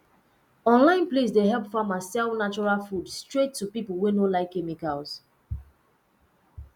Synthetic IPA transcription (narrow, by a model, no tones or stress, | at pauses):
ɔ̃nlãɪ̃nples̬deɦɛlˠpfamasɛlnat͡ʃɔɹalˠfudstɹetʰːupipəlˠwenolaɪkːɛmikalˠs